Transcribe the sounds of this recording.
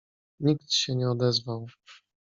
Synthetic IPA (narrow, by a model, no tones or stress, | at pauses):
ɲikt̪ɕɛɲɛɔd̪ɛzvaw